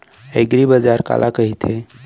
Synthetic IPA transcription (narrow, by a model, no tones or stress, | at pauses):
eɡɾibəd͡ʒaɾka̰lʔakəɦit̪ʰe